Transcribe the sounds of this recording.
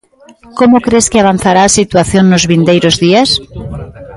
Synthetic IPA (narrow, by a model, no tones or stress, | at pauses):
komʊkɾeskɪaβan̟θaɾaːsit̪waθjoŋnʊzβind̪ejɾʊzðias